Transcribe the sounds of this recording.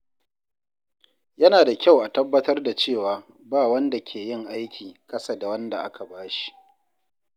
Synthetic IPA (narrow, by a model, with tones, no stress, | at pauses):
jɐ˦naː˨da˨kʲa˦˨wʔa˨tɐ˦bːɐ˦tɐ˦rda˨t͡ʃeː˦˨waː˨ | baː˦˨wɐ˦nda˨kʲʰeː˨jɪ˦ŋʔa˦jkʲiː˨kʼɐ˦sa˨da˨wɐ˦nda̰˨ʔa̰˦kʰa˨baː˦ʃi̥i̥˦˨ʔ